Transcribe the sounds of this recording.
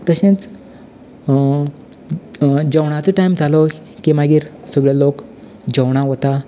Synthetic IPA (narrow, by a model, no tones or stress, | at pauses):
t̪əɕẽt͡s | d͡ʑəwɽ̃at͡səʈajmd͡zʱalo | kimaɡiːɾsəɡɭalok | d͡ʑəwɽ̃aɦot̪a